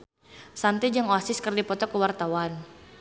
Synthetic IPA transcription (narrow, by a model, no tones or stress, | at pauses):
sant̪id͡ʒaŋɔsɪskərdipɔt̪ɔkəwart̪awan